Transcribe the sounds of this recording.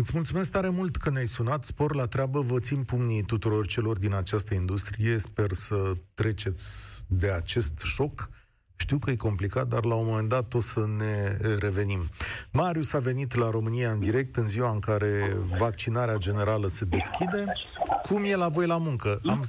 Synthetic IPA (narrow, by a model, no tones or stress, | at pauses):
ɨt̪sʲmult̪sume̞s̬k̚t̪aɾe̞mult̪kənneajsunat̪spo̞rlat̪ɾeabəvət̪simpumnit̪ut̪uɾo̞rt͡ʃe̞lo̞rd̪inat͡ʃast̪əind̪ust̪ɾije̞spe̞rsət̪ɾe̞t͡ʃe̞t̪sʲd̪e̞at͡ʃe̞st̪ʃo̞k | ʃt̪iwkəjeko̞mplikat̪̚d̪arlaomo̞me̞nd̪at̪o̞səne̞ɾe̞ve̞nimmaɾjusave̞nit̪laɾo̞mɨnijaɨnd̪iɾe̞k̚t̪ɨnziwaɨŋkaɾe̞vak̚t͡ʃinaɾead͡ʒe̞ne̞ɾaləse̞d̪e̞skʲid̪e̞ | kʰumje̞lavo̞jlamuŋkəʔam